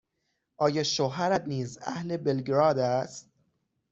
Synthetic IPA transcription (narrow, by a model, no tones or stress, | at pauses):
ʔɒːjɒːʃoɦæɾæd̪niːzæ̰hle̞belɡɾɒːd̪æst̪̚